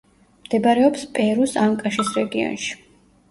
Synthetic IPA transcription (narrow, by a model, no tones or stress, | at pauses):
md̪̥ɛbaɾɛɔpspʼɛɾusaŋkʼaʃisɾɛɡiɔ̰nʃi̥